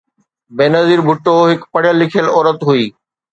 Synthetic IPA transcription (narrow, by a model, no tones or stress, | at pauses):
beːnɐziːɾbʱʊʈːoɦɪkpɐɽɪjəlːɪkʰijəlɔːɾət̪ɦuiː